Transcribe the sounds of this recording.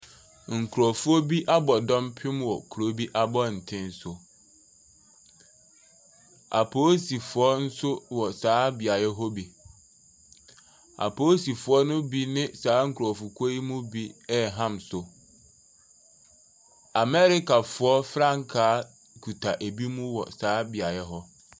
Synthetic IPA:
ŋ̩˨kʰu˨ɾɔ˨fʊ˦ɔ˦bi˦ʔa˦bɔ˨dɔ̃˦mpʰɪ̃˦mwɔ˨kʰu˨ɾo˦bi˦ʔa˦bɔ˦˨n̩˨tʰɪ̃˦n˦sʊ˨ | a̰˨pʰo˦si˨fʊ˨ɔ˦n̩˦sʊ˦wɔ˨saː˨˦bɪ˨a˨jɛ˦ɦo˦bi˨ | a̰˨pʰo˦si˨fʊ˨ɔ˦nʊ̃˦bi˦nɪ̃˦saː˨˦ŋ̩˨kʰɔ˨fʊ˨kʰo˦i˦mʊ̃˦bi˦ɛ˦˨ɦã˦msʊ˨ | a˨mɛ˦ɾɪ˦ka˨fʊ˨ɔ˦fɾã˦˨ŋ˨kʰaː˨˦ | kʰu˨tʰa˨ʔe˨bi˦mũ˦wɔ̰˨saː˨˦bɪ˨a˨jɛ˦ɦɔ˦

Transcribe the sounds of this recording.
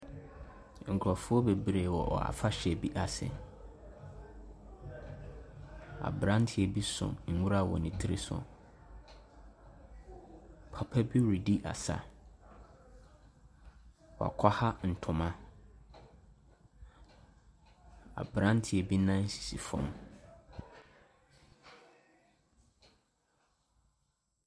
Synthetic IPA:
ŋ̩˨kʰɾɔ˨fʊ˦ɔ˦be˨bɾe˨wɔ˨ʔɔ̰˨a̰˨fa˦ɕɛ˨bi˦ʔa˨sɪ̰˨ | a̰˨bɾã˦n˦tʰɪ˨ɛ˨bi˦sʊ̰̃˨ŋ̩˨wu˦ɾa˦˨wɔ̰˨nɪ̃˨tʰi˦ɾḛ˦sʊ̰˨ | pʰa˨pʰɛ˦bi˦ɾi˨di˦ʔa̰˨sa̰˨ | wɔ˨a̰˨kʷʰa˦ha˦n̩˨tʰʊ̃˨mã˦ | a̰˨bɾã˦ntʰɪ˨ɛ˨bi˦nã˦n̩˦si̥˨si˨fɔ̰̃˨m

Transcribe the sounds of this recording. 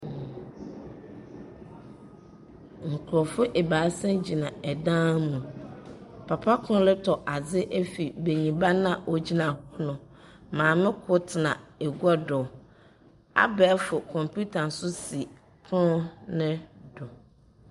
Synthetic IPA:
ŋ̩˨kʰɾɔ˨fʊ˦ʔe˨baː˨˦sɛ̃˦d͡ʑi˨nã˨ɛ˨dã˦mũ˨ | pʰa˨pʰa˦kʰʊ˦nʊ̃˦lɪ˦tʰɔ˨ʔa˨d͡zɪ˦ʔɛ˦fi˨be˨ɲĩ˨ba˦nã˨ʔɔ˨d͡ʑi˦nã˨hɔ˦nʊ̃˨ | mãː˨mɪ̃˦kʰʊ˦tʰɪ˨nã̰˨e˨ɡu˦ɔ˦dɔ˨ | a̰˦bɛː˨˦fʊ˨kʰɔ̃˨mpʰu˦tʰa˨n̩˨sʊ˦si˨ | kʰʊ˦ʊ˦nɪ̃˦dɔ˨

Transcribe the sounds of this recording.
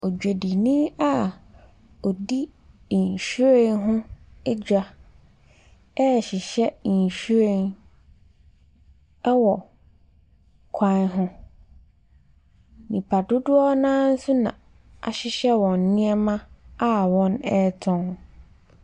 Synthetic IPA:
ɔ˨d͡ʑᶣe˨di˨nĩ˦a˦ | ɔ˨di˦˨ | ɲ˨ɕi˦ɾẽ˦nɦʊ̃˦ɛ˦d͡ʑᶣa˨ | ɛ˦˨ɕɪ˨ɕɛ˦˨ɕᶣu˦ɾẽ˦˨n | ɛ˦wɔ˨ | kʰã˦nɦʊ̃˦ | nĩ˨pʰa˨dʊ˦dʊ˦ɔ˦nãː˦n̩˦sʊ˦nã̰˨ | a̰˨ɕɪ˦ɕɛ˦wɔ̃˨nː˨ɪ̃˦ɛ˦mã˦a˦wɔ̃˦nɛ˦tʰɔ̃˨ŋ

